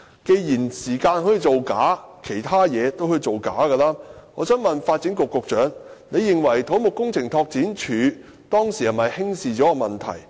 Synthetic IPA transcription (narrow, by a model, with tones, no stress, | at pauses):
ke˧jjiː˨˩nsiː˨˩kaː˧nhɔ˨˥jiː˨˧t͡so˨wkaː˨˥kʰe˨˩jt̪ʰaː˥jɛː˨˧t̪o˥whɵ˧jt͡so˨wka̰ː˨˥ɡə˧laː˥ŋɔː˨˧˥sœː˥nmɐ˨nfaː˧t̚t͡siː˨˥nkʊ˨kːʊ˨k̚t͡ʃœː˨˥ŋne˨˧jːɪ˨ŋwɐ˨˩jt̪ʰo˨˥wmʊ˨kːʊ˥ŋt͡sʰɪ˨˩ŋt̪ʰɔː˧k̚t͡siː˨˥nt͡ʃʰyː˨˧˥ | t̪ɔː˥ŋsiː˨˩hɐ˨˩mɐ˨jhɪ˥ŋsiː˨t͡ʃɔː˨˥ɔ˧mɐ˨˩nt̪ʰɐ̰˨˩j